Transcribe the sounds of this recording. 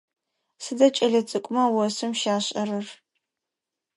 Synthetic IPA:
sɨdɐt͡ʃʼɐɮɐt͡sʼɨkʷʼʊmɐwɔsɨmʃaːɕʼɐɾɨr

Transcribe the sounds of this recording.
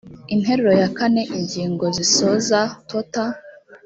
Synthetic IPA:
inhe̞ɾeɾojakane̞ʔiɲɟiːŋɡo̞ziso̞zatʰota

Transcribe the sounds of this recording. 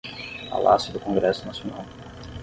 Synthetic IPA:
a̰la̰sɪd̪ʊkõɡɾɛsʊnasionaw

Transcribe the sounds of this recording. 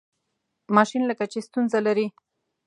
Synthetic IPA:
mɑʃinləkat͡ʃest̪unzalaɾi

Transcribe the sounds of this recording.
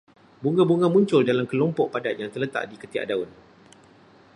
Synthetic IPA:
buŋɡãbuŋɡãmũɲt͡ʃʊldalamkəlɔmpɔʔpadaʔ̪jaŋt̪ərlət̪a̰ʔdikət̪ia̰ʔdaʊn

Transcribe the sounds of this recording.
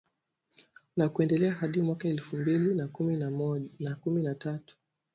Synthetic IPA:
nakuɛndɛlɛaɦaɗimwakaɛlfumbilinakuminamɔnakuminatatu̥

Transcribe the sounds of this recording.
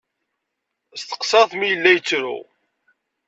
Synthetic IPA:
st̪ə̥qsɑθmijəlːæjət͡sːɾʊ̰

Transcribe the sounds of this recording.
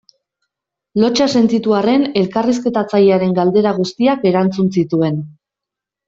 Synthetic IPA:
lo̞t͡ʃase̞nt̪it̪uare̞ne̞lkariske̞t̪at͡sajeaɾe̞ŋɡald̪e̞ɾaɣ̞ust̪iake̞ɾant͡sunsit̪ue̞n

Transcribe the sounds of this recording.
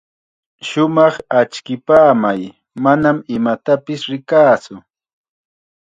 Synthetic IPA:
ʃʊmɑχat͡ʃkɪpaːmaj | manamɪmat̪apɪsɾɪkaːt͡sʊ

